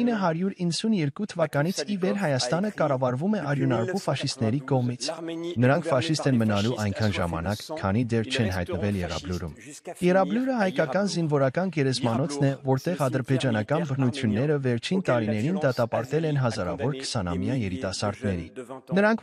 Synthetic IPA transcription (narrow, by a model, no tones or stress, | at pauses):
inəɦɑɾjuɾinːəsunjɛɾkut̪ʰəvɑkɑnit͡sʰivɛɾɦɑjɑst̪ɑnəkɑrɑvɑɾvumɛʔɑɾjunɑɾvufɑʃist̪nɛɾikɔʁmit͡sʰnəɾɑŋkʰfɑʃist̪ɛnmənɑluʔɑjŋkʰɑnʒɑ̰mɑ̰nɑkkʰːɑ̰nid̪ɛrt͡ʃʰɛnɦɑ̰jt̪nəvɛljɛrɑ̰bluɾṵm | jɛrɑbluɾəɦɑjkɑkɑnzinvɔɾɑkɑnɡɛɾɛzmɑnɔt͡sʰnɛvɔɾt̪ɛʁɑd̪əɾbɛd͡ʒɑnɑkɑnbəɾnut͡sʰjunːɛɾəvɛɾt͡ʃʰint̪ɑɾinɛɾind̪ɑt̪ɑpɑɾt̪ɛlɛnɦɑzɑɾɑ̰vɔɾkʰə̥sɑnɑ̰mjɑjɛɾit̪ɑsɑɾd̪nɛɾḭnəɾɑŋkʰ